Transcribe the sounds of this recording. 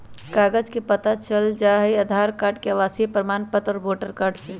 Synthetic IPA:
kaːɡəd͡ʒkepət̪at͡ʃəld͡ʒaːɦɛiɐd̪ʱaːɾkaːʈkeəʋaːsiepɾəmaːnpət̪ɔːɾboːʈəɾkaːɾɖse

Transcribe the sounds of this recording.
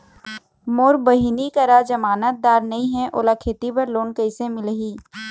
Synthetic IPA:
moːɾbəɦinikəɾad͡ʒəmaːnət̪̚d̪aːɾnɐĩɦɛ̃ʔo̰ːlakʰeːt̪ipəɾloːnkəɪsẽmɪlɦiː

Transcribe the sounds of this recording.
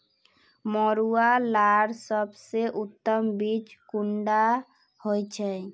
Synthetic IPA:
mɔɾualaɾsəbseʔut̪ːəmbit͡ʃkuɳɖa | hojt͡ʃʰɛ

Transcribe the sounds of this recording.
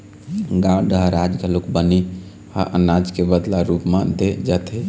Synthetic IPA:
ɡãlɖəɦɾad͡ʒɡʱəlukbəni | a̰ʔə̰nad͡ʒkebəd̪laɾupmad̪ed͡ʒat̪ʰe

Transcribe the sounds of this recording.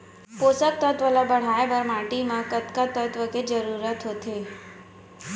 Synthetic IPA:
posək̚t̪ət̪ʋəlabəɽ̤ajebəɾmaʈimãkət̪kat̪ət̪ʋəked͡ʒəɾuɾət̪ɦot̪ʰe

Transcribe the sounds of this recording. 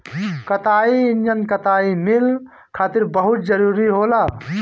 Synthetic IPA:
kət̪aːinjənkət̪aːimil | kʰaːt̪ɪɾbəɦʊt̪̚d͡ʒəɾuːɾiɦoːlaː

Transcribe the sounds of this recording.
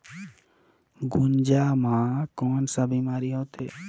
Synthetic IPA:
ɡund͡ʒaːmãːkɔːnsabʱimaːɾiɦot̪ʰe

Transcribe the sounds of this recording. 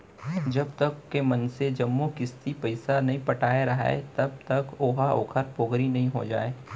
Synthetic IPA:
d͡ʒɐb̚t̪ɐkːemɐnsed͡ʒɐmːokɪst̪ipɐɪsanɐɦĩpɐʈʰaːeɾɐɦaḛt̪ɐb̚t̪ɐkoːɦaʔo̰ːkʰəɾpoːɡɾinɐɦĩɦod͡ʒa̰ːeː

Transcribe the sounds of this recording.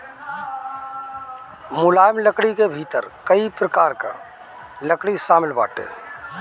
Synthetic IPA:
mʊlaːjmləkɽikebʱiːt̪əɾkəipɾəkaːɾka̰ | ləkɽisaːmɪlba̰ːʈḛː

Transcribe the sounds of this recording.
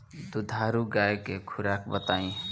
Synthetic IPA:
d̪ud̪ʱaɾuɡaekekʰuɾakbət̪aĩ

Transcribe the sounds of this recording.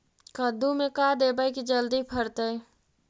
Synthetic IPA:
kəd̪umekad̪ebəjkid͡ʒəld̪ipʰəɾt̪əj

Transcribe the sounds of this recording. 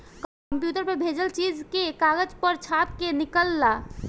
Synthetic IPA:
k | mpjuʈəɾpebʱed͡ʒəlt͡ʃid͡ʒkekaɡəd͡ʒpəɾt͡ʃʰat̪kenikəlːa

